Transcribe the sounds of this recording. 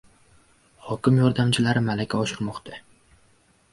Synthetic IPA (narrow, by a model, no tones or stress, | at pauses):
hɒkʲɪmjɒɾd̪amt͡ʃʰɪlaɾɪmalakʲʰaɒʃɪɾmɒqt̪ʰa